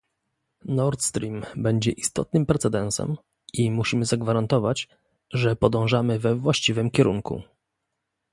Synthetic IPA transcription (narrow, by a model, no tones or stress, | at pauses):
nɔɾt̪st̪ɾʲimbɛɲd͡ʑɛʔist̪ɔ̰t̪̚nɘmpɾɛt̪sɛd̪ɛnsɛ̰m | imuɕimɘzaɡvaɾant̪ɔvat͡ɕ | ʐɛpɔd̪ɔ̃w̃ʐamɘvɛvwaɕt͡ɕivɘmkʲɛɾṵŋkṵ